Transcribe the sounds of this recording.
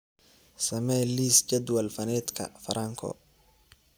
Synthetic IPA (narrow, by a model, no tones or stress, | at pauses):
sɐmɛliːsd͡ʒɐd̪wɐlfɐnɛːd̪kʰɐ̰fɐɾʔɐŋkʰɔ̰